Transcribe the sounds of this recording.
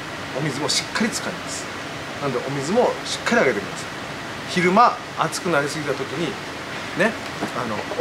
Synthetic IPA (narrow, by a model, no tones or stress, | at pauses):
omʲizɨmo̞ɕi̥kʰːaɾʲit͡sɨ̥kaimasɨ̥ | nãnod̪e̞ʔo̞mʲizɨmo̞ɕi̥kːaɾʲiaɡe̞t̪emʲḭma̰s | çiɾɯ̟maː | t͡sɨ̥kɯ̟naɾʲisɨɡʲit̪at̪o̞kʲiɲ̟i | ne̞ | ano̞̰